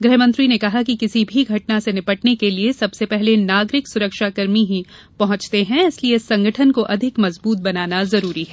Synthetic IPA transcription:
ɡɾɪɦmɐ̃nt̪ɾinekɐɦak̬ikɪsibʱiɡʱɐʈ̚nasenɪpɐʈnekeliesɐbsepɛɦlenaːɡɾɪksʊɾəkʃakɐɾmiɦi | pɐɦʊ̃t͡ʃt̪eɦɛ̃ɪsliesɐ̃ŋɡəʈʰənkoʔɐd̪ʱɪkmɐzbuːt̪̚bɐnaːnazɐɾuːɾiɦɛː

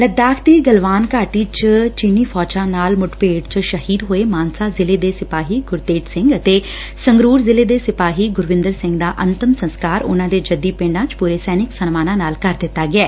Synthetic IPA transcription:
ləd̪aːkʰt̪iːɡəlʋaːnkaːʈiːt͡ʃt͡ʃiːniːpʰɔːt͡ʃãːnaːlmʊʈpeːɽt͡ʃʃəhiːd̪ɦoːeːmaːnsaːzɪleːd̪eːsɪpaːɦiːɡʊɾt̪eːʈsɪ̃ŋɡət̪eː | səŋɡɾuːɾzɪleːd̪eːsɪpaːɦiːɡʊɾʋɪ̃nd̪əɾsɪ̃ŋɡd̪aːʔənt̪əmsə̃nskaːɾʊ̰nãːd̪eːd͡ʒəd̪iːpẽːɳɖãːt͡ʃpuːɾeːsɛːnɪksənmaːnãːnaːlkəɾd̪ɪt̪ːaːɡɪɛː

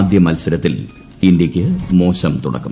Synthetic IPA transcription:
d̪jɐmɐlsɐɾɐt̪ːil | indjɐkʲːɨmo̞ːɕɐmt̪ṵɽɐ̰kːṵm

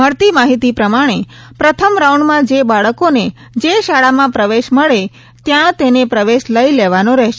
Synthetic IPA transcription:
əɾt̪imaɦit̪ipɾəmaɽ̃e | pɾət̪ʰəmɾawɳɖmãd͡ʒebaɭəkone | d͡ʒeʃaɭamãpɾəʋeʃməɭe | t̪jãt̪enepɾəʋeʃləileʋanoɾɛɦʃ

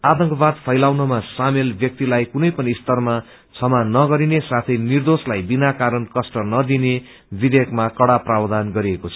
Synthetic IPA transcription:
at̪ʌ̃ŋkʌbad̪pʰʌjlawnʌmasamelbjʌk̚t̪ilajkunʌjpʌnist̪ʌrma | t͡sʰʌmanʌɡʌɾinesat̪ʰʌjnird̪oslajbinakaɾʌnkʌsʈʌnʌd̪ine | bid̪ekmakʌɽaprawd̪anɡʌɾiekot͡sʰʌ̥

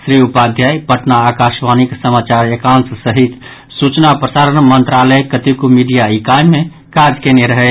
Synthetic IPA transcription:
sɾiupad̪ʱjajpəʈnaːkaʃʋaniksəmat͡ʃaɾekãnssəɦit̪ | sut͡ʃnapɾəsaːɾənmənt̪ɾaləkət̪ikumiɖijaikajmẽ | kad͡ʒkeneɾəɦɛ

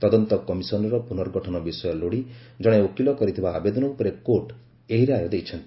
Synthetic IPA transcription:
t̪ɔd̪ɔnt̪ɔkɔmisɔnɾɔpunɔɾɡɔʈʰɔnɔbisɔjɔloɽi | d͡ʒɔɽ̃eokilɔkɔɾit̪ʰibaːbed̪ɔnɔupɔɾekoʈ | eɦiɾeaɾɔd̪ejt͡ʃʰɔnt̪ii̥

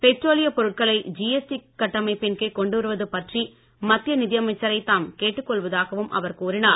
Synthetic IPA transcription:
pɛʈroːlɪjɐpɔɾɯʈ̚kɐɭɐɪd͡ʒijɛsʈikːɐʈːɐmɐɪpɪnkeːkɔɳɖɯʋɐɾɯʋɐðɯpɐʈri | mɐt̪ːɪjɐnɪðɪjɐmɐɪt͡ʃːɐɾɐɪt̪ːaːmkeːʈːɯkːɔɭʋɐðaːɣɐʋɯmʔɐ̰ʋɐɾkuːɾɪnaː

